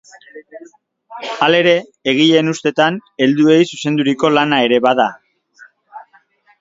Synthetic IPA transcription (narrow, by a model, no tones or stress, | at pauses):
ale̞ɾe̞ːɣ̞iʎe̞nust̪e̞t̪ane̞ld̪ue̞jsuse̞nd̪uɾiko̞lanae̞ɾe̞βaða